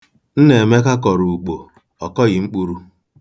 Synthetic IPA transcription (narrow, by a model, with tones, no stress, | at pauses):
n̩˦ne˨me˦ka˦kɔ˨ɾu˨u˨k͡po˨ | ɔ˨kɔ˦ɣɪ˨ŋ͡m̩˦k͡pu˦ɾu˦